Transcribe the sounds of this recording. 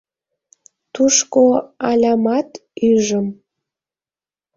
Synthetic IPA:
t̪uʃkoɑlʲɑmɑt̪yʒəm

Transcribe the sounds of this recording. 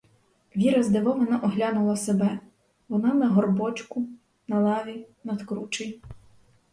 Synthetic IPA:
ʋʲiɾɐzd̪eʋɔʋɔnɑʔɔɦlʲɑnʊlˠɐsebɛ | ʋɔnɑnɐɦɔrbɔt͡ʃkʊ | nɐlˠɑʋʲinɐd̪kɾut͡ʃej

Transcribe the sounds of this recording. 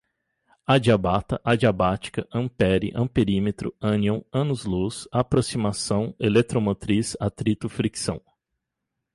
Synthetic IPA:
ad͡ʒiabat̪ɐʔad͡ʒiabat͡ʃi̥kɐʔɐ̃pɛɾḭʔɐ̰̃peɾimet̪ɾʊ̰ɐ̃niõw̃ɐ̃nuzlusapɾosimasɐ̃w̃elet̪ɾomot̪ɾisat̪ɾit̪ʊfɾiksɐ̰̃w̃

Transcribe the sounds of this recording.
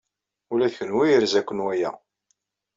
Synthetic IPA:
ulæðçənwijəɾzækʷːənwæjæ̰

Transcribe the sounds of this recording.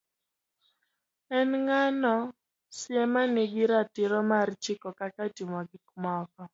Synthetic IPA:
ɛnŋanɔ | sɪɛmanɪɡɪɾatɪɾɔmart͡ʃɪkɔkakatimɔɡɪkmɔkɔ

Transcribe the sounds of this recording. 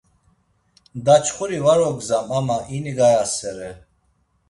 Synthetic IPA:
d̪at͡ʃʰχuɾivaɾɔɡzamamaʔiniɡajasɛɾɛ

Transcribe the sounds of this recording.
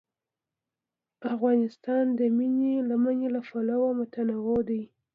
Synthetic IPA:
afɣɑnɪst̪ɑnd̪əminelamanelafalawamʊt̪anawad̪aj

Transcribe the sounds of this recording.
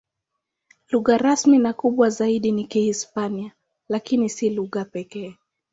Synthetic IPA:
luɣaɾasminakuɓwazaiɗinikihispania | lakinisiluɣapɛkɛː

